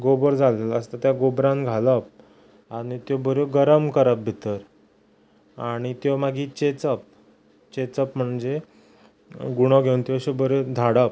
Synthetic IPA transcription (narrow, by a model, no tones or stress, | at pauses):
ɡobəɾd͡zalelaəst̪at̪jaɡobɾãnɡʱaləp̚ | aɽ̃it̪jɔbəɾoɡəɾəmkəɾəp̚bʱit̪əɾ | aɽ̃it̪jɔmaɡiːt͡ɕet͡səp̚ | t͡ɕet͡səpm̤əɳd͡ze | ɡuɽ̃ɔɡʱeunt̪jɔɕebəɾod̪ʱaɽəp̚